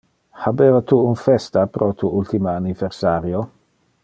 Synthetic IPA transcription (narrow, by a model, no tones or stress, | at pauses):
habeːvat̪uunfɛst̪apɾʔot̪ʰuult̪imaːniveɾsaɾjo